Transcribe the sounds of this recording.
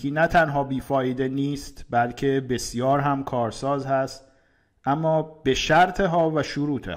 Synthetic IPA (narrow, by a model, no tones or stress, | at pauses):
inæt̪ʰænɦɒːbiːfɒːjed̪e̞niːst̪bælcʰe̞be̞sjɒːɾɦæmkʰɒːɾsɒːzhæst̪ | ʔæmːɒːbe̞ʃæɾt̪ʰeɦɒːvæʃuɾuːt̪ʰḛ